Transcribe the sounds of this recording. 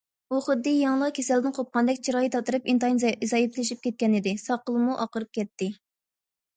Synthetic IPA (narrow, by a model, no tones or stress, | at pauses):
uχʊd̪ːɨjɑŋlˠɑqkʲʰesɛld̪ɪnqʰop̚qɑnd̪ɛkʲt͡ʃʰiɾɑːjit̪ɑt̪ɨɾɨpint̪ɑnzɑjipʰlɪʃip̚kʲɛt̪̚kʲɛnɪd̪ɪsɑqəlˠɨmuʔɑqəɾɨp̚kʲɛt̪ːɪ